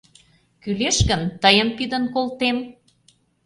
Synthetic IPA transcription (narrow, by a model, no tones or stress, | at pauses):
kyleʃkənt̪əjəmp̪id̪ənkolt̪em